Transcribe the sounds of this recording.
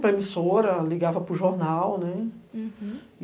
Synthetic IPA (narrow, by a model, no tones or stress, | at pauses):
pɾɐemisoɾɐliɡavɐpɾʊʒoɾnawnɛ